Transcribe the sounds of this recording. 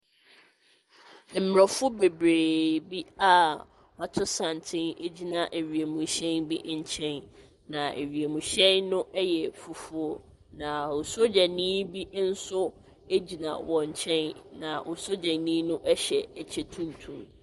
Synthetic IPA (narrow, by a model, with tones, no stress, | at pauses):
m̩˨m˨ɾɛ˨fʊ˦be˨bɾeː˨bi˦a˦˨ | ɔ˨tʰʊ˦sã˨n˨tʰɪ̃˦ne˦d͡ʑi˦nã˨ʔe˨ɥi˨e˨mũ˨ɕɛ̃˦nbi˦ʔɲ̩˦t͡ɕʰɛ̃˦n | nã˨ʔe˨ɥi˨e˨mũ˨ɕɛ̃˦nnʊ̃˦ʔɛ˦jɛ˨fu˨fʊ˦o˦ | nã˨ʊ˨so˦d͡ʑɛ˨nĩː˦bi˦n̩˦sʊ˦ | e˦d͡ʑi˨nã̰˨wɔ̃˨ɲ˨t͡ɕʰɛ̃˦nnã˨ʔo˨so˦d͡ʑɛ˨nĩː˦nʊ̃˦ʔɛ˦ɕɛ˨æ˨t͡ɕʰɛ˦tʰũ˦n˨tʰũ˦˨m